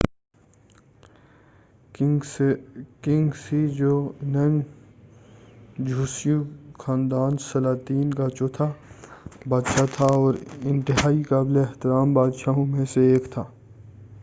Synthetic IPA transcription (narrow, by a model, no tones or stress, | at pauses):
kɪ̃ŋɡsid͡ʒoːnən | d͡ʒʱuːsɪjũxʰaːnd̪aːnsɐlaːt̪iːnkat͡ʃoːt̪ʰa | baːd̪ʃat̪ʰaɔːɾɪ̃nʈɪɦaːikaːbleɪht̪ɪɾaːmbaːd̪ʃaɦõmẽseeːkt̪ʰaː